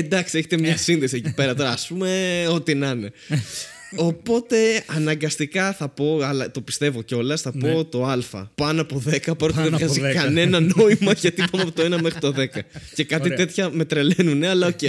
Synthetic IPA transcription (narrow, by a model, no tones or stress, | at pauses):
end̪ɐksieçe̥t̪emɲɐsinðe̞siecipe̞ɾɐt̪o̞ɾɐːspume̞o̞t̪inɐne̞ | o̞po̞t̪e̞ɐnɐŋɡɐst̪ikɐθɐpo̞ɐlɐt̪o̞pi̥st̪e̞vo̞ceo̞lɐsθɐpot̪o̞ɐlfɐ̰pɐnoɐpo̞ðe̞kɐpɐɾot̪eðeɣɐsikɐne̞nɐno̞imɐʝɐt̪ipɐnoɐpot̪oe̞nɐmexɾit̪o̞ðe̞kɐce̞kɐt̪ie̞t̪çɐme̞t̪ɾelenune̞ɐlɐoce